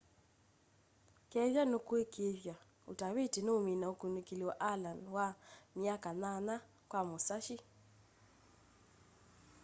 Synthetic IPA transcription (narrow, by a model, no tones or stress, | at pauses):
kɛβjanokwekʰeβja | o̰taβetenomenaokonekelewɔʔalanwamjakanana | kwamosaʃi